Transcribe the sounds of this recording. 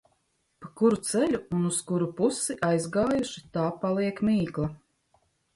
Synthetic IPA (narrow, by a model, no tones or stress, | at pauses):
pakuɾut̪sɛlʲuːnuskuɾupusiʔajzɡaːjuʃi̥t̪aːpalˠiɛkmiːklˠa